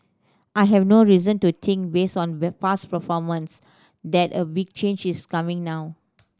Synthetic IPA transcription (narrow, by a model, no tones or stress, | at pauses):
ʔajɦɛvnoɹizə̃ntut̪ʰĩŋk̚besɔ̃nbfaspəfɔmə̃ns | dɛtəbiɡ̚t͡ʃẽnd͡ʒiskamɪ̃ŋnaʊ